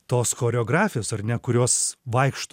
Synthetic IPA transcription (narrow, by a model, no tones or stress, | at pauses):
t̪oːsxoːɾʲɛoːɡɾɑːfʲɪjoːsɐrnʲɛkʊɾʲoːsʋɐɪkʃt̪